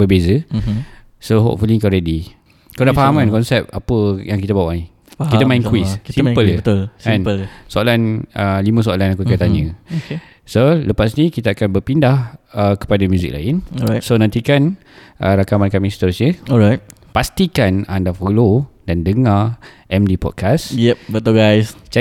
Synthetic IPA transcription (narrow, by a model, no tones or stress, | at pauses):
bəbezə | soɦo̰ʔfuliŋkɔɾedi | kadafaɦamankɔnsɛp̚a̰pəjaŋkit̪əbawaʔai | kit̪əmaĩnkwisisimpələət̪lɛ̃nəsoalanəlimə̃s̬oalanakukət̪aɲə̃oke | soləpasnikit̪aakanbərpindahəkə̥padamjuzḭk̚la̰ɪnsonãnt̪ikan | ʔəɾakamankamist̪ɾusɲəɔɹaj̚ | past̪ikanandafolodandəŋaʔɛmdipɔ̰d̚kʰasjɛpbət̪uɡajst͡ʃ